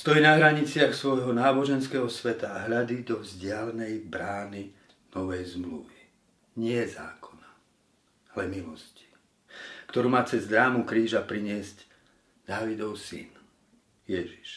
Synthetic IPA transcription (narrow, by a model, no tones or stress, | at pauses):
st̪ɔjinaɦɾaɲit͡sɪaxsʋɔjɦɔnaːbɔʒɛnskɛːɦɔsʋɛt̪aːɦʎad̪id̪ɔvzɟɪalɛnɛjbɾaːni | nɔʋɛjzmlṵʋi | ɲɪɛza̰ːkʰɔ̥na | alɛmilɔsci̥ | kt̪ɔɾuːmaːt͡sɛzd̪ɾaːmukɾiːʒapɾiɲɪɛzc | d̪aːʋid̪ɔʊsḭn | jɛʒi̥ʃ